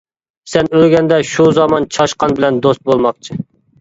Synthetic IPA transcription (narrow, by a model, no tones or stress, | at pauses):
sɛnøɾɡʲɛnd̪ɛʃuzɑmɑnt͡ʃʰɑʃqɑnbɪlɛnd̪ost̪̚bolˠmɑqt͡ʃʰɨ